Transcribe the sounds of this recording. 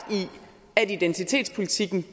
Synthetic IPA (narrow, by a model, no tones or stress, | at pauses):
i | ædid̥ent͡sʰit͡sʰe̝̰ːd̥spʰo̝lit͡sʰiɡ̥n̩